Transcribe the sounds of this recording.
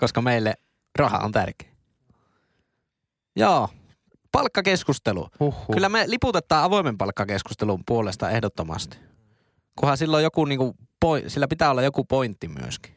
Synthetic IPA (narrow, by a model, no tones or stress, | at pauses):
koskɑmeˑilːe | rɑhɑ̰o̰nt̪ærke̥ː | joː | pɑlkːɑkeskust̪elṵuhːkylːæmeliput̪et̪ːˑɑːʔɑʋoˑemempɑlkːɑkeskust̪elumpuolest̪ɑehdot̪ːomɑ̰st̪i̥ | kuhɑsilːojjokuniːŋkupoˑisilːæpit̪æːolːɑjokupoint̪ːimy̰ø̰ski̥